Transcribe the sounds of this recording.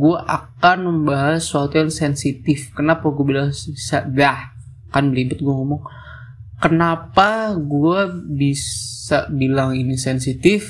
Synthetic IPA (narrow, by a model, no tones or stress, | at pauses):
ɡuaʔakanməmbaɦasːuat̪ujaŋsɛnsit̪ɪfkənapaɡuabilaŋsisadah | kanbəlibʊt̪̚ɡuaŋomʊŋ | kənapaɡuabisabilaŋinisɛnsit̪ɪf